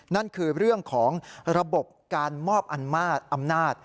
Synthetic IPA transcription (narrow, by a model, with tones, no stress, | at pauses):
na˥˩nkʰɯː˧ɾɯ˥˩əŋkʰɔː˩˦ŋɾa˧bo˨˩p̚kaː˧nmɔː˥˩p̚ʔa˧nmaː˥˩t̪̚ʔa˧mnaː˥˩t̪̚